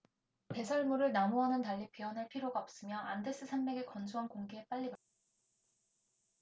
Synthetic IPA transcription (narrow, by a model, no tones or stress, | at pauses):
pe̞sʰʌɭmuɾɯɭnamoɦanɯntaɭːipiʌnɦaɭpʰiɾjoɡaʌp̚s͈ɯmjʌande̞s͈ɯsʰanmeɡe̞kʌnsʰuɦankoŋɡeep͈aʎːibata